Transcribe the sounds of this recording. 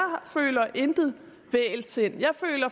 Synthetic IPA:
fø̰ːlɐʔend̥ð̩ˠ | ʋɛ̰ːlse̝n̰jɑ̈ɪfø̰ːlɐ

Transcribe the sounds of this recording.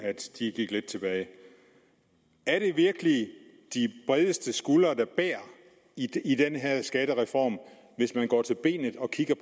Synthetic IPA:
æd̥d̥iɡ̥iɡ̥led̥̚t͡sʰe̝b̥ɛːɪ | æɐɾ̥e̝ʋiɐɡ̥əli | d̥ib̥ʁɛð̞ˠəsd̥əsɡ̥ulɐd̥ɑ̈b̥æɐ̰ | id̥enəɦeɐ̰sɡ̥æɾ̥əʁɛfɒ̰ːm | ʋe̝smænɡ̥ɒ̰ːt͡sʰe̝lb̥e̝̰ːnð̩ˠɒ̽kʰiɡ̥ɐpʰ

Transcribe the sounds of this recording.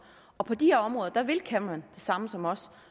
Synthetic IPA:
ɒ̽pʰɒ̽d̥iheɐɒ̽mʁɔ̽ːðˠɐd̥ɑ̈ʋe̝lkʰænmænd̥e̝sɑ̈məsɒ̽mɒ̽s

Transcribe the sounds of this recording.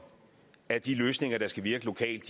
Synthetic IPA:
æɐd̥iløːsne̝ŋɐɾ̥ɑ̈sɡ̥æʋiɐɡ̥əlo̝kʰɛ̰ːld̥

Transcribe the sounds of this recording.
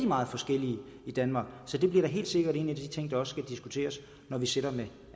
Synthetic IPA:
d̥imɑ̈ːð̩ˠfɒ̽sɡ̥el̰iə | id̥ænmɑ̈ːɡ̥sɒ̽d̥e̝b̥liɐɾ̥ɑ̈ɦe̝̰ːld̥se̝ɡ̥ɐɾe̝̰ːn̩ie̥æd̥it͡sʰe̝ŋ̰d̥ɑ̈ɒ̽ssɡ̥æd̥isɡ̥ut͡sʰe̝̰ːɐs | nɒʋiseɾ̥ɐme

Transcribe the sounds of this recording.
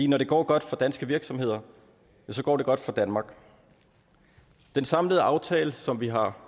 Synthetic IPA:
ḭːnɒɾe̝ɡ̥ɒ̰ːɡ̥ɒ̽d̥fɒd̥ænsɡ̥əʋiɐɡ̥sɒ̽mhe̝ð̰ˠɐ | jæs̬ɒ̽ɡ̥ɒ̰ːde̝ɡ̥ɒ̽d̥fɒ̈d̥ænmɑ̈ːɡ̥ | d̥ensɑ̈mləð̞̩ˠʔɑ̈ʊt͡sʰɛːləsɒ̽mʋiɦɑ̈

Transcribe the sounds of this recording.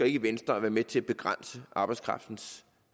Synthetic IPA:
ɡ̥ɐe̝ɡ̥əʋen̰sd̥ʁɐæʋæːɐmet͡sʰe̝æb̥e̝ɡ̥ʁɑn̰səʔɑ̈ːb̥ɑ̈ɪskʰʁɑ̈fd̥n̩s

